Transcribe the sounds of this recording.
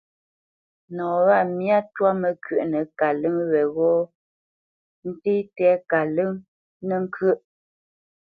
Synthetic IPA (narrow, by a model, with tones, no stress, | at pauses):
nɔː˨ɣa˦˨mja˦twa˦mə˨kʰɥə˨ʔnə˨ka˨lə˦ŋwɛ˨ɣɔ˦ | n̩˦te˦tɛ˦ka˨lə˦ŋ | nə˦˨ŋ̩˦kʰɥə˦˨ʔ